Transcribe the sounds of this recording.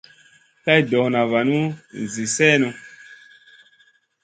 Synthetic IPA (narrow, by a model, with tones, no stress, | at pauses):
ka˦jdɔ˨na˨va˨nu˦˨zi˨sɛː˦nu˨